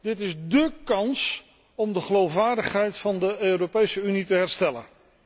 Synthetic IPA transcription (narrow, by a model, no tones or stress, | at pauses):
d̥ɪtɪzdəkɑns | ɔmdəχəlowfʋaːɹdəχɦɛjtfɑndəøːropejsəynitəɦɛɹstɛlə̰n